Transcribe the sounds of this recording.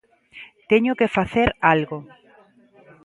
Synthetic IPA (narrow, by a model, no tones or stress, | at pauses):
t̪eɲʊkefaθeɾalɣo